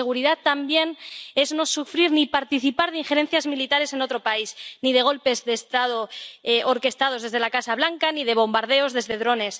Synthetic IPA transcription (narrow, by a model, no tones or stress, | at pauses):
eɣ̞uɾiðat̪ambje̞ne̞zno̞sufɾiɾnipaɾt̪iθipaɾðeiŋxe̞ɾẽ̞n̟θjazmilit̪aɾe̞se̞no̞t̪ɾo̞paisnið̞e̞ɣ̞o̞lpe̞zðe̞st̪að̞oeʔoɾke̞st̪að̞o̞zðe̞zðe̞lakasaβlaŋkanið̞e̞β̞o̞mbaɾð̞e̞o̞zðe̞zðe̞ðɾo̞ne̞s